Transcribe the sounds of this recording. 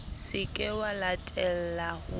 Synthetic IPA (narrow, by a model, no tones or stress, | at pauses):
sɪkʼɛwalatʼɛl̩lahʊ